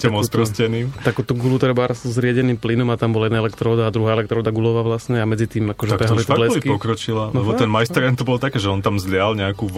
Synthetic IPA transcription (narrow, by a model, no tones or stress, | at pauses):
camɔspɾɔscɛniːmt̪akuːt̪uɡulut̪ɾɛbaɾaszɾɪaɟɛniːmplinɔmat̪ambɔlaɛd̪naɛlɛkt̪ɾɔɔd̪aːd̪ɾuɦaːɛlɛkt̪ɾɔːd̪aɡulɔʋaʋlasɲɛamɛd͡zit̪iːmakɔʒɛkpɛɦalit̪ɛlɛikpɔkɾɔt͡ʃilalnɛbɔt̪ɛnmajst̪ɾɛnt̪ɔbɔlt̪akɛːʒɛɔnt̪amzlɪalɲɛaku